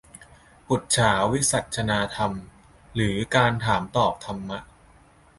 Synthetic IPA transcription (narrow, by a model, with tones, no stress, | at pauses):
bu˨˩t̪̚t͡ɕʰaː˩˦wwi˦˥sa˨˩t̪̚t͡ɕʰa˧naː˧t̪ʰa˧m | ɾɯː˩˦kaː˧nt̪ʰaː˩˦mt̪ɔː˨˩p̚t̪ʰa˧mːa˦˥ʔ